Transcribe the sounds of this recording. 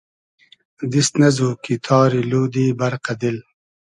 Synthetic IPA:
d̪ist̪nɐzukit̪ʰɑːɾiluːd̪iːbɐɾqad̪il

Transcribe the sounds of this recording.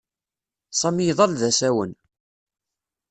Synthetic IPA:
sˤɑmiðˤɑlðæsæwən

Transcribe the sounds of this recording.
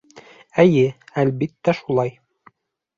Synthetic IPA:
æjɘælbit̪ːæʃulˠɑj

